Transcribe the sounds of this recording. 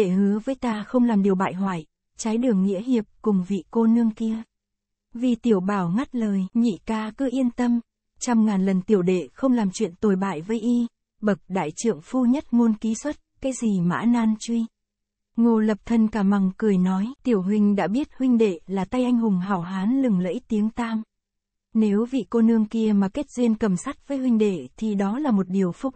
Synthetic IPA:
ɗe˧˩hɨ˨˦əvəː˨˦jt̪aː˧xə˧wŋ͡mlaː˨˩mɗi˨˩əwɓa̰ː˧˨jɦwa̰ː˧˨j | t͡ɕaː˨˦jɗɨ˨˩əŋːḭ˧˥əɦi˨˩əp̚kʊ˨˩ŋ͡mvḭ˧˨ko˧nɨ˧əŋki˧ə | vi˨˩t̪i˧˩əwɓaː˧˩wŋa˦˥t̚ləː˨˩jɲḭ˧˨kaː˧kɨ˨˦ʔi˧ənt̪ə˧m | t͡ɕɔ˧wŋ͡mŋaː˨˩nlə˨˩nt̪i˧˩əwɗḛ˧˨xə˧wŋ͡mlaː˨˩mt͡ɕwḭ˧˨ənt̪o˨˩jɓa̰ː˧˨jvəː˨˦jʔi˧ | ɓə˨˩k̚ɗa̰ː˧˨jt͡ɕɨ̰˧˨əŋfu˧ɲə˦˥t̚ŋo˧nki˨˦swə˦˥t̚kaː˨˦jzi˨˩ma̰ː˧˥naː˧nt͡ɕwi˧ | ŋo˨˩lə˨˩p̚t̪ʰə˧nkaː˧˩ma˨˩ŋkɨ˨˩əjnɔ˨˦jt̪i˧˩əwɦwï˨˩ŋ̟ɗa̰ː˧˥ɓi˦˥ət̚hwï˧ŋ̟ɗḛ˧˨laː˨˩t̪a˧jʔa˧jŋ̟hʊ˨˩ŋ͡mɦaː˨˩wɦaː˨˦nlɨ˨˩ŋlə̰˧˥jt̪i˨˦əŋt̪aː˧m | ne˨˦wvḭ˧˨ko˧nɨ˧əŋki˧əmaː˨˩ke˦˥t̚zi˧ənkə˨˩msa˦˥t̚vəː˨˦jɦwï˧ŋ̟ɗḛ˧˨t̪ʰi˨˩ɗɔ˨˦laː˨˩mo˨˩t̚ɗi˨˩əwfʊ˨˧˩k͡p̚

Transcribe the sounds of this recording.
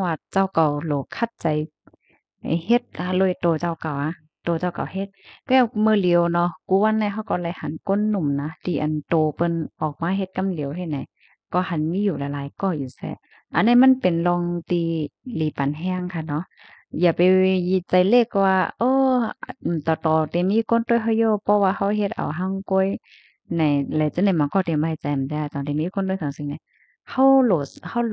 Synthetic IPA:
waː˧t͡ɕa˧˩wka˨˩wloː˨˦kʰa˧˩t̪̚t͡ɕa˨˦j | he˧˦t̪̚ʔa˧loː˧˩˨jt̪oː˨˩t͡ɕa˧˩wka˨˩wʔa˧˨ | t̪oː˨˩t͡ɕa˧˩wka̰˨whe˧˦t̪̚kɛː˧˩wmɯː˧˨li˨˦ə˦wnɔ˧kuː˧˦wa˧˨nːa˧˨ɦa˧˩wkɔ˧˩la˧˩jha˨˦nko˧˥˨nːu˧˩˨mna˧t̪ʰiː˧ʔa̰˨nt̪oː˨pɤ˧˨nʔɔː˨˩k̚maː˧˥˨ɦe˧˦t̪̚ka˧˥˨mli˨˦əwhna˨j | kɔː˧˩ha˧˨nmiː˧˥˨juː˧˩la˨˧˦laː˨˦jkɔː˧˩juː˨sɛ̰ː˧˦ | ʔa˧˨nːa˧˩˨ma˧˥˨npe˨nlɔː˧ŋt̪iː˧liː˨˦pa˨nɦɛː˧˨ŋkʰa˧˩nɔ˧˦ʔ | jaː˧˩pa˨jji˧˩t͡ɕa˧˩jle˧˨kːɔ˧waː˧ʔɤː˧˨ | t̪ɔː˨˩t̪ɔː˨˩t̪ɛ˨˩miː˧˥˨kʰo˧˥˨nt̪o˧˨jɦa˧˨joː˧˨pʰɔ˧waː˧ha˧wɦe˧t̪̚ʔa̰˨˩wɦa˧˨ŋko˧˥˨j | na˨˩jla˨˦jt͡ɕa˧˦na˧˩jmaː˧˨kɔː˧˩t̪i˨mba˧˨˧t͡ɕa˨˧˨t̪ɛː˧a˧˩t̪ɔː˨t̪ɛ˧˨miː˧˥˨kʰo˧˥˨nt̪ːsʰa˨ŋsi˧˨ŋna˧˩ | ha˧˩wlo˧˨˩ha˧˨w

